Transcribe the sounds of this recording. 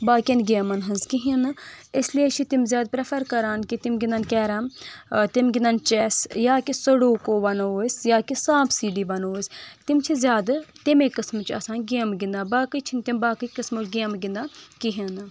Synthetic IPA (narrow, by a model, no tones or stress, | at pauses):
baːkʲɐnɡeːmɐnɦɐnzkiɦinɪslijet͡ʃʰit̪imzʲjaːd̪̚pɾepʰɐɾkɐɾaːnkit̪imɡʲɪnd̪ankɛːɾaːmt̪imɡʲɪnd̪ant͡ʃɛsjaːkisəɽoːkoːbɐnoːsʲjaːkisaːbʰsiːɖiːbɐnoːsʲt̪imt͡ʃʰizʲjaːd̪t̪imekɐsmt͡ʃʰɐsaːnɡeːmɡɪnd̪aːbaːkɨt͡ʃʰint̪imbaːkɨkəsmot͡ʃɡeːmɡʲɪnd̪aːkiɦin